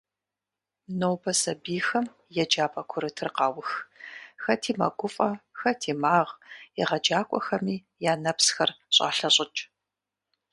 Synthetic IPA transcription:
nowbʰɐsɐbiːxɐm | jɛd͡ʒaːpʼɐkʷʰʊɾɨtʰɨrqɑːwʊxxɐtʰiːmɐ̰ɡʷʊfʼɐxɐtʰiːmaːʁjɛ̰ʁɐd͡ʒaːkʷʼɔ̰xɐmiː | jaːnɐpsxɐrɕʼa̰ːɬɐɕʼɪt͡ʃʼ

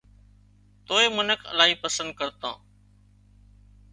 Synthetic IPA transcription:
t̪oːeːmənəkʰə̰laːɦiːpəsənd̪̚kəɾt̪ã̰ː

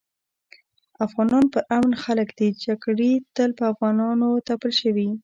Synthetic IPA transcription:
afɣɑnɑnpəʔamnxaləkd̪̥id͡ʒaɡɽet̪əlpəafɣɑnɑnot̪apəlʃəwi

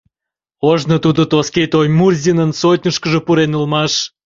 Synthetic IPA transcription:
oʒnət̪ud̪ət̪osket̪ojmurzʲinənsot̪ʲnʲəʃkəʒə̆puɾenəlmɑʃ

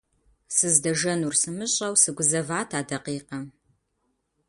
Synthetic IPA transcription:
sɨzdɐʒɐnursɨmɨɕʼɐwsɨɡʷʊzɐvaːtʰaːdɐqiːqɐm

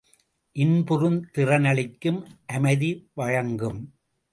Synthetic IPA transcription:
ʔɪnpʊɾɯnt̪ɪrɐnɐɭɪkːɯmʔɐmɐðiʋɐɻɐŋɡɯm

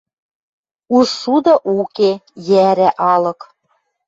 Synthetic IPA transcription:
uʃud̪ɤ̆ʔukejæɾæʔɑlɤ̆k

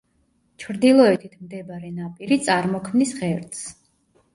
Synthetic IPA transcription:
t͡ʃʰɾd̪ilˠɔɛt̪ʰit̪ʰmd̪ɛbaɾɛnapʼiɾit̪sʼaɾmɔkʰmnisʁɛɾt̪s

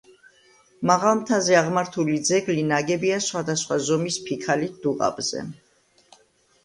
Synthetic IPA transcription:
maʁalˠmt̪ʰazɛaʁmaɾt̪ʰulid̪zɛɡlinaɡɛbiasχwad̪asχwazɔmispʰikʰalid̪̥uqʼa̰bzɛ̰

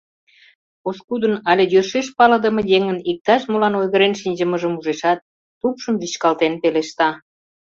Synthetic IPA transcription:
oskud̪ənɑlʲejørʃeʃpɑləd̪əmə̆jeŋənik̚t̪ɑʃmolɑnojɣəɾenʃinʲd͡ʑə̆məʒəmuʒeʃɑt̪̚ː | upʃəmviɕkɑlt̪enpeleʃt̪ɑ

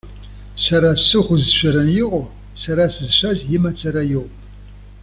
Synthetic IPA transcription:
sɐɾaɕɨʁʷʊzɕʷɐɾɐnjɪqʷʼɔ | sɐɾasɨzɕɐzjɪmɐt͡sʰʼɐɾajɪʁʷpʼ

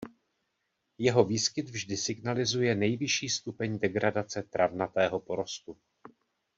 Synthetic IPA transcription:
jɛɦo̞viːskɪd̪vʒdɪsɪɡnalɪzujɛnɛjvɪʃiːst̪upɛɲdɛɡɾadat͡sɛt̪ɾʔavnat̪ɛːɦo̞po̞ɾo̞st̪u

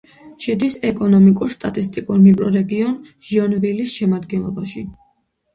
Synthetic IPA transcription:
ʃɛd̪isɛkʼɔnɔmikʼuɾst̪ʼat̪ʼist̪ʼikʼuɾmikʼɾɔɾɛɡiɔn | ʒ̥iɔnvilisʃɛmad̪ɡɛnlˠɔbaʃi

